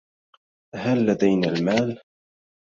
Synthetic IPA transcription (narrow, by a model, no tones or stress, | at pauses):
halːad̪ajnaːlmaːl